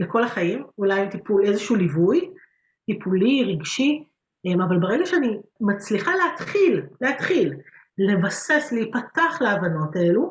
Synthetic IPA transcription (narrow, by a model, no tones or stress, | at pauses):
leko̞laχajimulajmt̪ipule̞zeʃuːlivuj | tipʰuliʁiɡʃi | emavalbeʁeɡaʃeanimat͡sliχaleat̪χilleatχil | le̞vase̞sleipataχleavano̞taelu